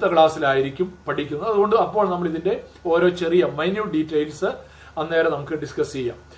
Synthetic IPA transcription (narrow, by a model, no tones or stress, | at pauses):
t̪ːɐkɭaːsilaːjiɾikʲːumpɐʈʰikʲːunɐðɨɐðuɣo̞ɳɖɨɐpːo̞ːɭnɐmːɐɭiðinde̞o̞ːɾo̞ːt͡ɕe̞rijɐmɐjnjuːɖitːɐjlsɨ | ɐnːe̞ːɾɐnɐmukːɨɖiskɐst͡ɕejːa̰ːm